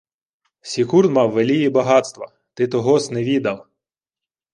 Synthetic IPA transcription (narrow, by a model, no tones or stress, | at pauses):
sʲikurnmɑwːelʲijibɐɦɑt̪st̪ʋɐ̰ | t̪ɪt̪ɔɦɔsneʋʲid̪ɐlˠ